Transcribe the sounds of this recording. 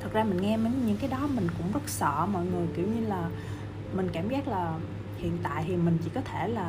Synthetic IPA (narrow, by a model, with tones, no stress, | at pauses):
t̪ʰə˨˩k̚zaː˧mï˨˩ŋ̟ŋɛ˧me˨˦ɲɨ̰˧˥ŋkaː˨˦jɗɔ˨˦mï˨˩ŋ̟kʊ̰˧˥ŋ͡mzə˦˥t̚sɔ̰˧˨mɔ̰˧˨jŋɨ˨˩əjkḭ˧˩əwɲɨ˧laː˨˩ | mï˨˩ŋ̟kaː˧˩mzaː˦˥k̚laː˨˩ | hḭ˧˨ənt̪a̰ː˧˨jt̪ʰi˨˩mï˨˩ŋ̟t͡ɕḭ˧˥kɔ˨˦t̪ʰe˧˩laː˨˩